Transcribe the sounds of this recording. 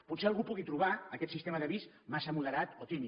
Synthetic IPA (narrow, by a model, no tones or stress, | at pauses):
put̪seəlˠɣupuɣit̪ɾuβ̞aəkɛt̪sist̪eməðəβis | masəmuləɾat̪ot̪imi